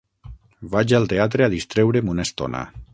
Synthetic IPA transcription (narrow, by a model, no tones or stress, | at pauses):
bad͡ʒalˠt̪eat̪ɾeaðist̪ɾewɾemunast̪o̰na̰